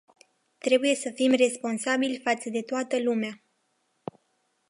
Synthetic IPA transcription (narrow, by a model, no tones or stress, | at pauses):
t̪ɾe̞buje̞səfimre̞spo̞nsabilʲfat̪səd̪e̞t̪oat̪əlumea